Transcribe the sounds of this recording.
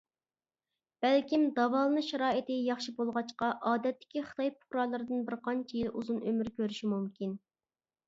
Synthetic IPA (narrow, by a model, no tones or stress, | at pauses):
b̥ælkʲimd̪ɑvɑlˠɨnɨʃɛɾɑːɨt̪ɪjɑχʃibolˠʁɑt͡ʃqɑʔɑːd̪ɛt̪ːɪ̥kʲiχə̥t̪ʰɑjpʰʊ̥χɾɑlˠɨɾɨd̪ɨnbɪɾqʰɑnt͡ʃʰɛjilˠʔṵzunømyɾkʲøɾyʃimumkʲin